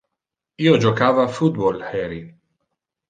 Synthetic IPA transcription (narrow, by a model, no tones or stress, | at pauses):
iːod͡ʒokaːvafut̪̚bɔlħɛɾi